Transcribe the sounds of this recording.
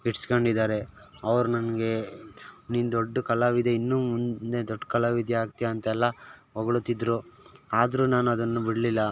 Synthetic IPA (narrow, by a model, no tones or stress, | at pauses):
iʈskɐɳɖid̪aːɾe̞ | ɐʋɐɾunɐnɐɡe̞ | niːnud̪oɖːɐkɐlaʋid̪einːuːmunnd̪e̞d̪oɖːkɐlaʋid̪jɐaːɡt̪ijɐɐnt̪ɐɛlːɐɦɔɡɐɭut̪ːid̪ɾuaːd̪ɐɾunaːnuɐd̪ɐnːubiɽɐlilːɐ